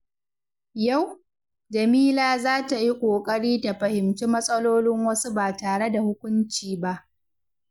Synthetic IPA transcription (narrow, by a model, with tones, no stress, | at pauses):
ja˦˨w | d͡ʒɐ˨miː˦laː˦zaː˦ta˨ji˦kʷʼoː˨kʼɐ˦ɽiː˦ta˨ɸɐ˨hɪ˨mt͡ʃiː˦mɐ˦sʼɐ˦loː˦lɪ˦ŋwɐ˦su˦baː˨taː˨ɽe˦da˨hʊ˦kʷʊ˦nt͡ʃiː˨ba˦ʔ